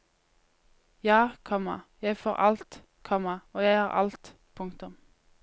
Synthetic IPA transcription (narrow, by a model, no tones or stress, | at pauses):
jɑːkʰɔmɑ̰jæɪfoːʁʔɑ̰lt̪ | kʰɔmɑoːjæɪhɑːʁʔɑ̰lt̪ | pʰʊŋkt̪ʊm